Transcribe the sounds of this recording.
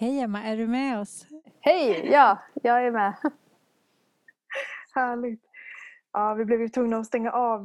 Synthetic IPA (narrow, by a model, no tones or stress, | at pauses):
hɛjamːaʔæɖɵmɛɔs | hɛjjɑːjɑːɡæɾmɛː | hæːɭɪɡt̪ | ʔɑːvɪblɛvjɵt̪ʰvɵŋnaɔst̪ɛŋːaʔɑːv